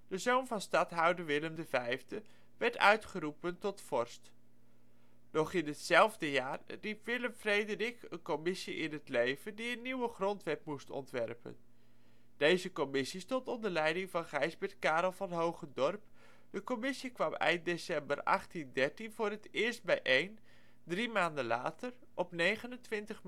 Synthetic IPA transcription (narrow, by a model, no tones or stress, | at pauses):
d̥əzownvɑnstɑtɦʌwdəɹʋɪləmdəvɛjvdə | ʋɛɹtœ̰ɥtχəɾupəntɔtfɔɹst | dɔχɪnɦətsɛlˠvdəjaːrripʋɪləmfrejdərikə̰nkomɪsiʔɪnɦətlejvəndiənːiwəχrɔntʋɛpmustɔ̰ntʋɛ̰rpə̰n | d̥ejzəkomɪsistɔntɔndəɹlɛjdɪŋvɑnχɛjzbɪɹt̚kaːɾɔlˠvɑnɦowχədɔrp | d̥əkɔmɪsikʋɑmɛ̰jnt̚desɛmbərɑ̰χtindɛɹtinvʊːrɦətɪːɹst̚bɛjʔejn | drimaːndənla̰ːtər | ʔɔpnejχənəntʋɪntəχ